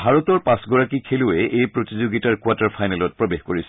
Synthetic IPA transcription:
bʱaɹɔtɔɹpãsɡɔɹakikʰelʊɛʔejpɹotizoɡitaɹkwataɹpʰajnɛlɔt̚pɹɔbexkoɹisɛ̥

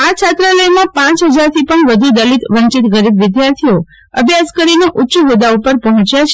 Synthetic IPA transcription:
at͡ʃʰat̪ɾələjmãpãt͡ʃɦəd͡ʒaɾt̪ʰipəɳʋəd̪ʱud̪əlit̪ʋəɲt͡ʃit̪ɡəɾibʋɪd̪jaɾt̪ʰijo | əbʱjaskəɾineʔutːʃuʋəd̪aupəɾpɔɦɔ̃t͡ʃjat͡ʃʰ

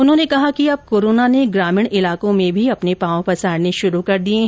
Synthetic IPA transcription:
ʊnɦõːnekɐɦakiɐb̚koːɾoːnaneɡɾaːmɪɳɪlaːkõmẽbʱiɐpnepãːõpɐsaːɽneʃʊɾukɐɾd̪iẽɦ

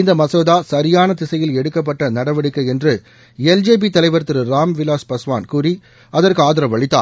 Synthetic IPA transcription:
ɪnd̪ɐmɐsoːðaːsɐɾɪjaːnɐt̪ɪsɐjɪlɛɽɯkːɐp̬ːɐʈːɐnɐɽɐʋɐɽɯkːɐɛndrɯ | ɛld͡ʒeːb̬it̪ɐlɐɪʋɐɾt̪ːɯɾɯɾaːmʋɪlaːspɐsʋa̰ːnkuːɾi | ɐðɐrkɯaːðɪɾɐʋɐɭɪt̪ːa̰ː

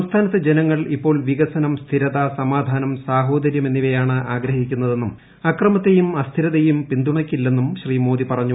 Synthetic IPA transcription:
ɐmst̪ʰaːnɐt̪ːed͡ʑe̞nɐŋːɐɭipːo̞ːɭʋiɣɐsɐnɐmst̪ʰiɾɐðɐsɐmaːd̪ʱaːnɐmsaːɦo̞ːd̪ɐɾjɐme̞nːiʋɐjaːɳɨʔaːɡɾɐɦikʲːunːɐðe̞nːum | ɐkrɐmɐt̪ːe̞jumɐst̪ʰiɾɐðejumpind̪uɳɐkʲːilːe̞nːumɕriːmoːd̪ipɐrɐɲːu

